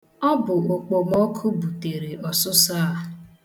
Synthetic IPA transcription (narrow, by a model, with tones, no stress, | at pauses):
ɔ˦bʊ˨o˨k͡po˨mo˦kʰu˦bu˨te˨ɾe˨ʔɔ˨sʊ˦saː˦a˦˨